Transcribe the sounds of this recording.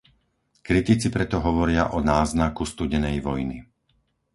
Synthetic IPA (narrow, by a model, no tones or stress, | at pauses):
kɾit̪it͡sipɾɛt̪ɔɦɔʋɔɾɪaʔɔnaːznakust̪uɟɛnɛjʋɔjnḭ